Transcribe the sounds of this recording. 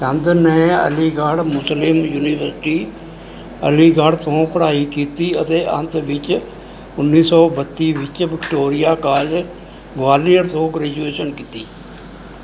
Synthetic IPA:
t͡ʃə̃nd̪nɛ̃ːə̰liːɡaɽmʊslɪmjuːniːʋəɾsɪʈiː | ə̰liːɡaɽt̪õːpʰəɽaːiːkiːt̪iːət̪eːʔə̰̃nt̪ʋɪt͡ʃ | ʊnːiːsɔːbət̪ːiːʋɪt͡ʃʋɪkʈoːɾɪjaːkaːd͡ʒ | ɡʋaːliəɾt̪õːɡɾɛːd͡ʒueːʃənkiːt̪iː

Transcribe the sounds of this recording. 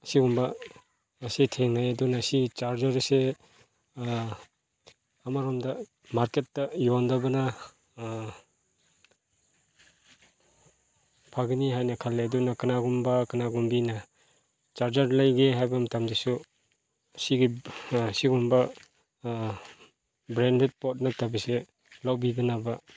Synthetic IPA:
siɡumbɐː | sitʰeŋnajɐdunɐsiit͡ʃaɾd͡ʒɐɾse | ɐmaɾomdɐ | maɾketːɐjondɐbɐnɐ | pʰaɡiniɦajnɐkʰalːedunɐkɯnaɡumbɐkɯnaɡumbinɐ | t͡ʃaɾd͡ʒaɾlajɡeɦajbɐmtamzisu | siɡisiɡumbɐ | bɾendet̚pɔt̚nɐtabise | lawbiɡinabɐ

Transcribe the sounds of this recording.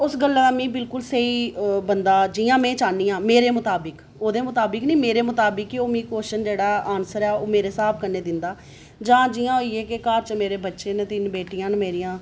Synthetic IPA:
ʊsɡəlːaːd̪amĩːbɪlkʊlseiːbənd̪aːd͡ʒiːjãːmɛ̃ːt͡ʃaːnːiːãːmeːɾeːmʊt̪aːbɪk | oːd̪eːmʊt̪aːbəknĩːmeːɾeːmʊt̪aːbəkːioːmĩːkoːʃənd͡ʒeːɽaːaːnsəɾɛːoːmeːɾeːsaːp̚ʰkəɾneːd̪ɪnd̪aː | d͡ʒãːd͡ʒiːjãːoieːkɪkaːɾt͡ʃmeːɾeːbətːʃeːnt̪ɪnbeːʈijãːnmeːɾijãː

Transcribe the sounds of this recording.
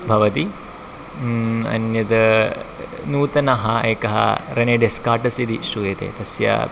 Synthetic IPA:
bʱɐʋɐt̪i | ɐ̰njɐd̪ɐ | nuːt̪ɐnɐɦɐeːkɐɦɐ̰ɾɐneːɖeskaːʈɐsid̪iʃɾuʋeːt̪ḛːt̪ɐsjɐ̰

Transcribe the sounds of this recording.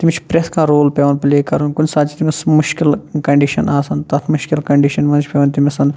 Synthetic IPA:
t̪imʲt͡ʃʰpɾet̪ʰkãːɾoːlpʲeʋɐnpleːkɐɾunkunʲsaːt͡ʃʰi̥t̪imʲsmʊʃkilkɐɳɖiʃɐnaːsɐnt̪ɐt̪ʰmuʃkilkɐɳɖiːʃɐnmɐnt͡ʃʰʲpʲeːʋnʲt̪imʲɐsɐn

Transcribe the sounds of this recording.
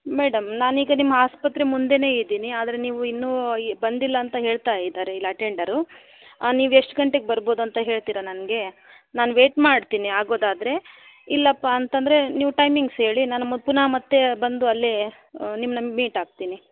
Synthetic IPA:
meːɽɐmnaːniːɡɐnimːɐaːspɐt̪ɾe̞mund̪e̞ne̞ːid̪iːniaːd̪ɐɾe̞niːʋuinːuːbɐnd̪ilːɐːnt̪ɐɦe̞ːɭt̪aːjid̪aːɾeilːɐɐʈeɳɖɐɾu | niːʋueʂʈɡɐɳʈe̞ɡebɐɾbo̞ːd̪uɐnt̪ɐɦe̞ːɭt̪iːɾɐnɐnɐɡe̞ | naːnuʋe̞ːʈmaːɽt̪iːniaːɡo̞ːd̪aːd̪ɐɾe̞ | ilːɐpaɐnt̪ɐnd̪ɐɾe̞niːʋuʈɐjmiŋɡsɦe̞ːɭinaːnumɐpunamɐt̪ːe̞bɐnd̪uɐlːi | nimːnɐmiːʈaːɡ̚t̪iːni

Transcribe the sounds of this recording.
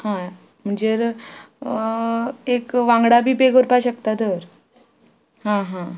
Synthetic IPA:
ɦã | m̤əɳd͡ʑeɾ | ekʋãŋɡɽabiːpeɡəɾpaɕək̚t̪at̪əɾ | ɦãɦã

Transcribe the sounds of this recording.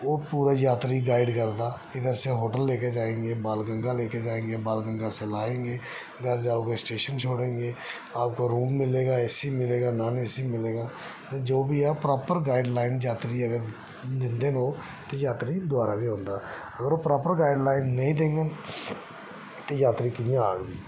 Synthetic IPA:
oːpuːɾaːjaːt̪ɾiːɡaːɪɖkəɾd̪aː | ɪd̪əɾsẽːɦoːʈəlːeːkeːd͡ʒaːẽːŋɡeːbaːlɡəŋɡaːleːkeːd͡ʒaːẽːŋɡeːbaːlɡəŋɡaːsɛːlaːẽːŋɡeː | ɡəɾd͡ʒaːoːɡeːsʈeːʃənt͡ʃʰoːɽẽːŋɡeː | aːp̚koːɾuːmːɪleːɡaːɛsiːmɪleːɡaːnaːnisiːmɪleːɡaː | t̪ed͡ʒoːbiːaːpɾaːpəɾɡaːɪɖlaːɪnd͡ʒaːt̪ɾiːəɡəɾ | d̪ɪnd̪eːnoː | t̪eːjaːt̪ɾiːd̪ʊaːɾaːbiːɦõːnd̪aː | əɡəɾoːpɾaːpəɾɡaːɪɖlaːɪnːəĩːd̪ẽːŋɡan | t̪eːjaːt̪ɾiːkɪjãaːɡbiː

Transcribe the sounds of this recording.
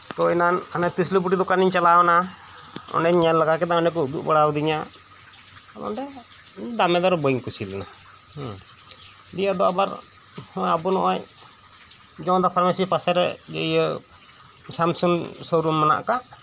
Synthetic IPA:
t̪ɔjnananat̪islupuʈid̪ɔkaniɲt͡ʃalawna | ɔ̰nɛɲɲɛnlaɡakɛd̪aɔnɛk̬ɔud̪ṵʔbəɽawd̪iɲa | ɔd̪ɔ̰nɖɛ | d̪amɛd̪ɔɾbɔjŋkusilɛna̰ | h | d̪ijad̪ɔabaɾ | mɔjabunɔ̰ʔɔɲ | d͡ʒɔ̃d̪ɔpʰɾamɛsipasɛɾɛ̰d͡ʒɛ̰jə | samsɔnsɔwɾunmana̰ʔkaʔ

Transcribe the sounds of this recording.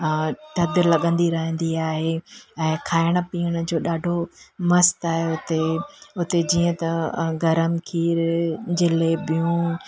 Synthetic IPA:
t̪ɐd̪lɐɠə̃nd̪iɾɐɦə̃nd̪iaːɦeɛ̃ːkʰaːɪɽ̃ə̆piːəɽ̃ə̆d͡ʑoːɗaːɖʱomɐst̪aːɦeʊt̪eʊt̪ed͡ʑiːə̃t̪ɐɡɐɾəmkʰiːɾd͡ʑeːlːbiũː

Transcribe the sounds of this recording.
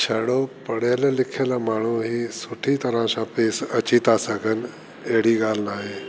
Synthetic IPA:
t͡ʃʰɐɽopɐɽeləlɪkʰelamaːɳ̤uɦiːsʊʈʰit̪ɐɾãsãpeːsɐt͡ɕit̪asɐɡʱən | eɦɽ̤iɡaːlnaːɦeː

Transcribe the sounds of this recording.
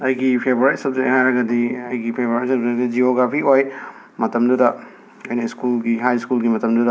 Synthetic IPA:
ɐjɡipʰebɾetsɐb̚zehajɾɐɡɐdiɐjɡipʰebɾat̚sɐb̚zeɡɐd͡ʒioɡɾapʰioj | mɐtɐmdudɐ | ojnɐiskulɡiɦajskulɡimɐtɐmdudɐ

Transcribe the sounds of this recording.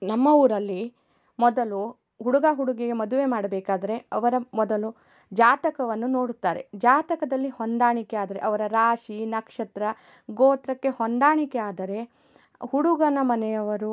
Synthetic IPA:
nɐmːɐuːɾɐlːi | mɔd̪ɐlu | ɦuɽuɡaɦuɽuɡeɡemɔd̪uʋe̞maːɽɐbɛːkaːd̪ɐɾe̞ɐʋɐɾɐmɔd̪ɐlu | d͡ʒaːt̪ɐkɐʋɐnːuno̞ːɽut̪ːaːɾe̞̰d͡ʒaːt̪ɐkɐd̪ɐlːihond̪aːɳikɛaːd̪ɐɾeʔɐʋɐɾɐɾaːʂinɐkʂɐt̪ɾɐ | ɡoːt̪ɾɐkːe̞hond̪aːɳikeaːd̪ɐɾe̞ | huɽuɡɐnɐmɐnɛjɐʋɐɾu

